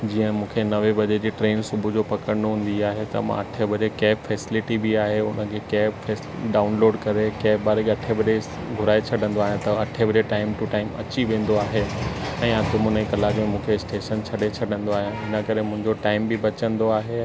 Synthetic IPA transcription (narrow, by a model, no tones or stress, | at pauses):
d͡ʑiːə̃mũːkʰenɐʋebɐd͡ʑed͡ʑiːʈɾeːnsʊbʱʊd͡ʑopɐkəɾənoɦũːn̆d̪iaːɦet̪ɐ̰mã̰ɐʈʰebɐd͡ʑekɛːpfɛːsɪlɪʈibiaːɦeʊnəkʰekɛːbfɛːs | ɖaːʊnloːɖkɐɾekɛːpbaːɾeɡɐʈʰebɐɗe | ɡʱʊɾaːet͡ɕʰɐɗə̃nd̪oaːɦjãt̪ɐɐʈʰebɐd͡ʑeʈaːɪmʈʊʈaːɪmɐ̰t͡ɕiʋẽːn̆d̪oaːɦeɛ̃ːãt̪ʊmʊnəikɐlaːkmẽmũːkʰeɪsʈeːʃənt͡ɕʰɐɗet͡ɕʰɐɗə̃nd̪oaːɦijãɪnəkɐɾemʊ̃ɦɪ̃ɲd͡ʑoʈaːɪmbibɐt͡ɕə̃nd̪oaːɦe